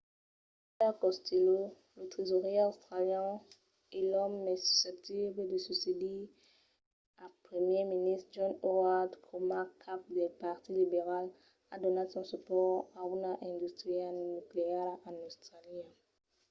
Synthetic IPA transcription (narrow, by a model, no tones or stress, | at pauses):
pɛʁkɔst̪ʰelo | lot̪χizoʁiast̪χaljã | elɔmːɛsy̥sɛp̚t̪ibledəsysedi | apχəmjeminist̪d͡ʒɔ̃noad̪kʰomakʰap̚d̪epaʁt̪ilibeʁal | ad̪ɔnasɔ̃sypɔʁaunaʔɛ̃d̪yst̪χialnykleɛʁanost̪ʁaliã